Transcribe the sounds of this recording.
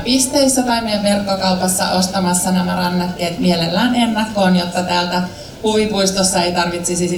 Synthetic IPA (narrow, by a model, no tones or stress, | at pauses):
pist̪eisːot̪ɑimieʋerkːokɑupɑsːɑ̰ʔost̪ɑmɑsːɑnæmærɑnːɑt̪ːeːt̪mielelːæːnenːækːoːnjot̪ːɑt̪æːlt̪æ | kuʋipuist̪osːɑejt̪ɑrʋit̪sisis